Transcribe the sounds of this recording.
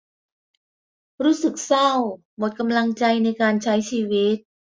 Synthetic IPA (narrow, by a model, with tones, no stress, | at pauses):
ɾuː˦˥sɯ˨˩k̚sa˥˩w | mo˨˩t̪̚ka˧mla˧ŋt͡ɕa˧jna˧jkaː˧nt͡ɕʰa˦˥jt͡ɕʰiː˧wi˦˥t̪̚